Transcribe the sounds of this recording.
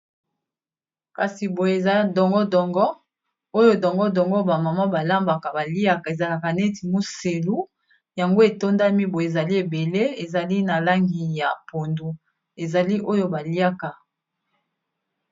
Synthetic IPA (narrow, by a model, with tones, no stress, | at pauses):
ka˨si˨bo˨e˨za˦dɔ˨ŋɡɔ˦dɔ˨ŋɡɔ˦ | o˦jo˦dɔ˨ŋɡɔ˦dɔ˨ŋɡɔ˦ba˨ma˨ma˦ba˨la˦mba˨ka˨ba˨li˦a˦ka˨e˨za˨la˨ka˨ne˦ti˨mo˦se˨lu˦ | ja˨ŋɡo˦e˨to˦nda˦mi˦bo˨je˨za˨li˦e˨be˨le˦e˨za˨li˦na˨la˦ŋɡi˨ja˨po˨ndu˦ | e˨za˨li˦ʔo˦jo˦ba˨li˦a˦ka˨